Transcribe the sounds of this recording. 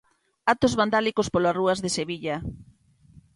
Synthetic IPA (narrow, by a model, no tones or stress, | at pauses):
at̪ozβand̪alikospoloaruazðeseβiʎa